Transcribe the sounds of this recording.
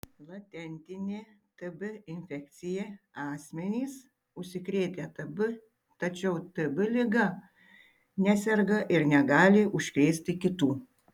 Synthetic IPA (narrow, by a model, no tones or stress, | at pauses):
lˠɐt̪ʲɛnʲt̪ʲɪnʲeːt̪ɨbɪɪnʲfʲɛk̚t̪sʲɪjɛ | ɑːsʲmʲɛnʲiːs | ʊʃʲsʲɪkɾʲeːt̪ʲɛt̪ɐbʊ | t̪ɐt͡ʃʲɛʊt̪ɨbɪlʲɪɡɐ | nʲæsʲɛɾɡɐʔɪɾnʲɛɡɑːlʲɪʔʊʃʲkɾʲeːsʲt̪ʲɪkʲɪt̪uː